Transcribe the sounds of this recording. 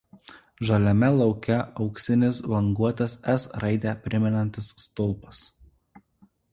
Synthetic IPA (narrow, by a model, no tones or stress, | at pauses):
ʒɐlʲɛmʲɛlˠɒʊkʲɛɒʊksʲɪnʲɪsʋɐŋɡuɔt̪ɐsɛsɾɐɪd̪ʲæpʲɾʲɪmʲɛnɐnʲt̪ʲɪsːt̪ʊlˠˑpɐs